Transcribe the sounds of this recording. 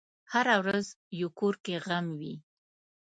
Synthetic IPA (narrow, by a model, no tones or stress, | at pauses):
haɾawɾaz | jokoɾkeɣamwi